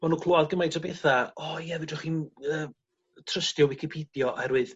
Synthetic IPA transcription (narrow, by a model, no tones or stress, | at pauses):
manuːkʰlˠoaðɡəmajtʰɔbɛθaɔjɛvɨdʊχiːnəː | tʰrəstjɔwɪkʰipʰidjɔʔaɛɾwɨð